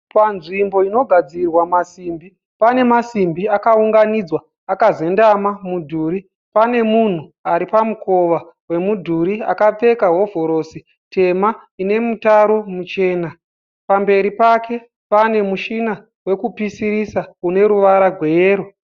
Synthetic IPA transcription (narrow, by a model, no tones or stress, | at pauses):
panʐimbo̞ino̞ɡʱad͡zirwamasimbi | pane̞masimbiakauŋɡanid͡zwa | akaze̞ndamamudʱuːɾi | pane̞mun̤uaɾipamuko̞ʋa | we̞mudʱuɾia̰kap͡fe̞kaɦwo̞vʱo̞ɾo̞si | te̞maine̞mutaɾo̞mut͡ʃe̞ːna | pambe̞ɾipake̞ | pane̞muʃina | we̞kupisiɾisaune̞ɾuʋaɾaɡʱwe̞jeːɾo